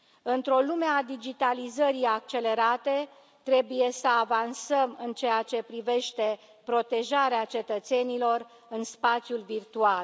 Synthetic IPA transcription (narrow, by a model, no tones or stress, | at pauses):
ɨnt̪ɾo̞lumead̪id͡ʒit̪alizəɾiak̚t͡ʃe̞le̞ɾat̪e̞ | t̪ɾe̞buje̞səavansəmɨnt͡ʃejat͡ʃe̞pɾive̞ʃt̪e̞ | pɾo̞t̪e̞ʒaɾeat͡ʃe̞t̪ət̪se̞nilo̞r | ɨnspat̪sʲjulvirt̪ual